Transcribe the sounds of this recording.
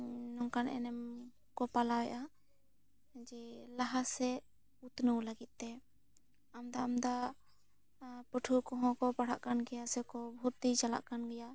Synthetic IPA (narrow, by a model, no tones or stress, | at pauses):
nɔŋkanɛ̰nɛm | kɔpalawɛʔa | d͡ʒɛlaɦasɛ | ut̪nuwlaɡit̪̚t̪ɛ | amd̪aːmd̪a | puʈʰukɔ̃ɦɔ̃kɔpaɽ̤aʔkanɡɛjasɛkɔbʱut̪ːit͡ʃala̰ʔkanɡɛja